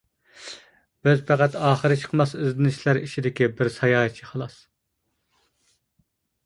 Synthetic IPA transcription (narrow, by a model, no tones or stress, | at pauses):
b̥øzpʰæqæt̪ɑːχəɾɨt͡ʃʰə̥qmɑsøzd̪ɪnɪʃlæɾit͡ʃʰid̪ɪkʲibɪɾsɑjɑːt͡ʃʰiχɑlˠɑs